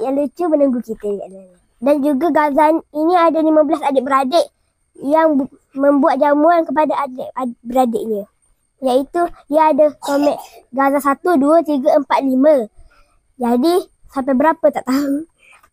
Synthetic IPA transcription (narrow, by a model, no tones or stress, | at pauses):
jalut͡ʃumənəŋɡukit̪əja | dand͡ʒuɡaɡazaniniadənimə̃bəlasadəʔbəɾadeʔ | jaŋ | mə̃mbuat̪̚d͡ʒamuankəp̬adaʔadeʔabəɾadɪʔɲə̃ | jait̪uiəadəsomɛʔɡazasat̪uduət̪iɡəəmpat̪̚limə̃ | d͡ʒadi | sampajbəɾapət̪aʔt̪au